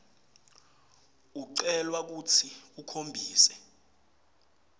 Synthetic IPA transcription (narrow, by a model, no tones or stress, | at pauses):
uǀɛlwak̬utʰiukʰombʱiːsɛ